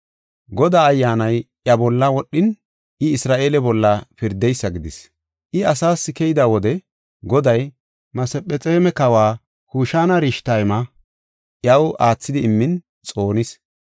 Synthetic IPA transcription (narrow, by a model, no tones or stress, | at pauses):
ɡɔd̪aːjːaːnɐjʔjɐbɔlːɐwɔɗːɪn | ʔɪɪsɾaːʔe̞ːlɛbɔlːɐpɪɾd̪ɛjsːɐɡɪd̪ɪs | ʔɪɐsaːsːɪkɛjɪd̪awɔd̪ɛ | ɡɔd̪ɐj | mɐsɛpʼɛt͡sʼeːmɛkɐwaː | kuːʃaːnɐɾiʃt̪ajmɐ | ʔjɐwaːt͡sːɪd̪ɪːmːɪn | t͡sʼo̞ːnɪs